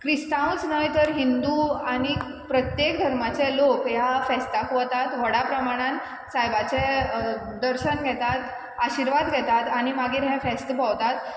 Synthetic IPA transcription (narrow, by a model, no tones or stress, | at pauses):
kɾist̪ãwt͡snəjt̪əɾɦind̪uaɽ̃i | pɾət̪jekd̪ʱəɾmat͡sɛlokjafɛst̪akət̪at̪ʋəɽapɾəmaɽ̃ãn | sajbat͡sɛ | d̪əɾɕənɡʱɛt̪at̪ | aɕiɾʋad̪ɡʱɛt̪at̪aɽ̃imaɡiːɾɦɛ̃fɛst̪əpəwt̪at̪